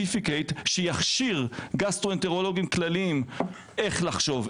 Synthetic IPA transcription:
ifikejtʃejaχʃiʁɡast̪ʁoenteʁolo̞ɡimklaliːm | ʔe̞χlaχʃo̞v

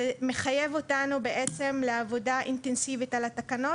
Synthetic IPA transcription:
eme̞χaje̞vo̞tanube̞ʔe̞t͡se̞mleavo̞daʔintensivitalatakano̞

